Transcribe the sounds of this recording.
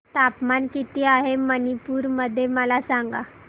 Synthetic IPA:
t̪apmankit̪iːaɦemənipuːɾməd̪ʱːjeməlasaŋɡa

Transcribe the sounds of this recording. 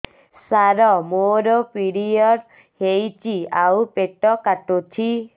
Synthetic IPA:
saɾɔmoɾɔpiɽijɔɾ | hejt͡ʃiaupeʈɔkaʈotʰi

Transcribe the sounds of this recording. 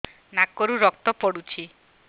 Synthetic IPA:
nakoɾuɾɔk̚t̪ɔpɔɽut͡ʃʰi

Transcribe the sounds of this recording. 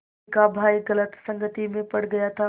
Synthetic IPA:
kabʱaːiɣɐlət̪sɐ̃ŋɡʱət̪imẽpɐɽɡɐjat̪ʰa

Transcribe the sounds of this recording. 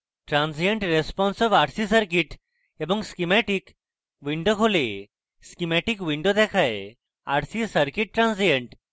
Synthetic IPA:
ʈɾãnsijəɳʈɾespɔnsɔʋaɽsisəɾkiʈ | ebə̃ŋɡskimɛʈiːk | ʋiɳɖokʰole | skimɛʈikʋiɳɖod̪ɛkʰaj | aɽsisəɾkiʈ̚ːɾãnsijə̃ɳʈ

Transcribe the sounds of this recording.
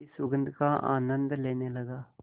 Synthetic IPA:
isʊɡənd̪kaːʔa̰ːnənd̪leːneːləɡaː

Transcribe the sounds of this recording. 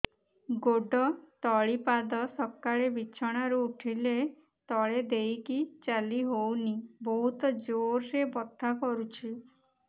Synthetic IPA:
ɡoɖɔt̪ɔɭipad̪ɔsɔkːaɭebit͡ʃʰɔɽ̃aɾuuʈʰile | t̪ɔɭed̪ejkit͡ʃaliɦownibɔɦut̪ɔd͡ʒoɾɾebɔt̪ʰːakɔɾut͡ʃʰi

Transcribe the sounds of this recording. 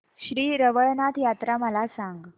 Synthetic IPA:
ɕɾiːɾəʋəɭnat̪jat̪ɾaməlasaŋɡ

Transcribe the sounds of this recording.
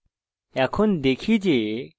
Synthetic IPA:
ɛkʰɔnd̪ekʰid͡ʒe

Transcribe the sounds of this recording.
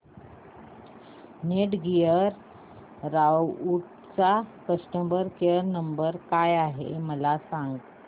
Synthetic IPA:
neʈɡijəɾː | awuʈ | t͡sakəsʈəmbəɾkeəɾnəmbəɾkajaɦḛməlasaŋɡ

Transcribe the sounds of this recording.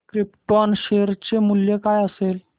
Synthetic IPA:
kɾipʈɔnɕeɾt͡ɕemuljekajəsel

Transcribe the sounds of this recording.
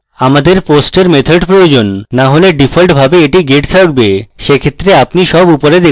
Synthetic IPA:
amad̪eɾposʈeɾmet̪ʰoɖpɾojod͡ʑonːaɦoleɖifʰolʈbʱabeeʈiɡeʈsʰaɡbeʃekʰet̪ːɾeapniʃɔbupoɾed̪e

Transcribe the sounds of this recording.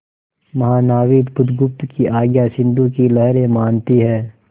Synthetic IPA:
mɐɦaːnaːʋiːd̪bʊd̪ɡʊp̚t̪kiʔaːɡjasɪ̃nd̪ũkilɐɦɾẽmaːnt̪iɦɛː

